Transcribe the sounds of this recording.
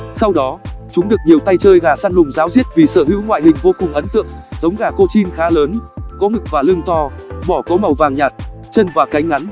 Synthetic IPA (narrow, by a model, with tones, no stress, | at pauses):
sa˧wɗɔ˨˦t͡ɕʊ˨˦ŋ͡mɗɨ˨˩ək̚ɲi˨˩əwt̪a˧jt͡ɕəː˧jɣaː˨˩saː˧nlʊ˨˩ŋ͡mzaː˨˦wzi˦˥ət̚vi˨˩sə̰ː˧˩hḭ˧˥wŋwa̰ː˧˨jhï˨˩ŋ̟vo˧kʊ˨˩ŋ͡mʔə˨˦nt̪ɨ̰˧˨əŋzə˨˦wŋ͡mɣaː˨˩ko˧t͡ɕi˧nxaː˨˦ləː˨˦nkɔ˨˦ŋɨ˨˩k̚vaː˨˩lɨ˧əŋt̪ʰɔ˧ɓɔ˧˩kɔ˨˦ma˨˩wvaː˨˩ŋɲaː˨˩t̚ | t͡ɕə˧nvaː˨˩ka˨˦jŋ̟ŋa˨˦n